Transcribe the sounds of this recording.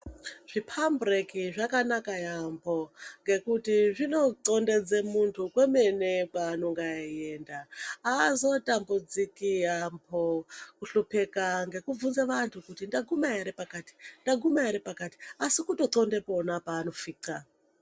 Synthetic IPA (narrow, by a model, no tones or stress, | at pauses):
ʐ̥ipʰambrekiʐakanakajambʰo̞ŋɡe̞kutiʐino̞ǀo̞nde̞d͡zemuntʰukweme̞nepaːno̞ŋɡaijeːndaː | zo̞tambud͡zikijambʰokuɬupekaŋɡe̞kub͡vunzeʋantʰukutindaɡʱumaeɾepakaːti̥ndaɡʱumaeɾepakati̥asikuto̞ǀonde̞po̞napaːno̞fiːǀa